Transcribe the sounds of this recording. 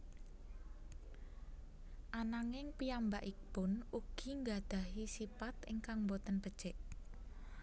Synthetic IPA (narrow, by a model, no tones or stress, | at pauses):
ʔanaŋɪŋpijambaʔib̥ʊnuɡ̥i̤ŋɡad̪̥a̤ɦisipat̪ɪŋkaŋmbot̪ənb̥əd̥t͡ʃɛʔ